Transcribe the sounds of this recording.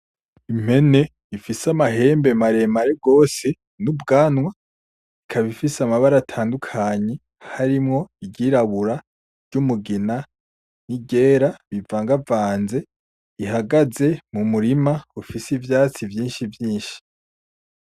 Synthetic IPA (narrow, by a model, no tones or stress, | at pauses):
im̥he̞ne̞ | ifisamaɦe̞ːmbe̞maɾe̞maɾeɡo̞ːse̞ | nubɡaːnwa | ikʰaβifisamaβaɾatʰaːndukʰaɲe | haɾimŋo̞iɟiːɾaβuɾa | ɾɟ̥umuɡina | niɟe̞ːɾaβivaːŋɡavaːnze̞ | iɦaɡaze̞mumuɾimaufisivjaːt͡sivjiːnʃivjiːnʃi̥